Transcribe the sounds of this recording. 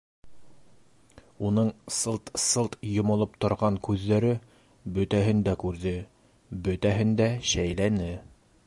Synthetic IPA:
unɤɴsɤlˠt̪sɤlˠt̪jŏmŏlˠɤp̚t̪ŏɾʁɑŋkʉðːæɾɘ | bɵ̆t̪æɦɘ̆nd̪ækʉɾðɘ | bɵ̆t̪æɦɘnd̪æɕæjlænɘ

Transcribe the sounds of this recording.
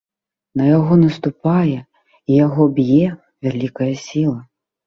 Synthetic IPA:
nɐjaɣɔnɐst̪upajɛ | ijaɣɔbʲjɛ | vʲalʲikɐjɐsʲilˠɐ

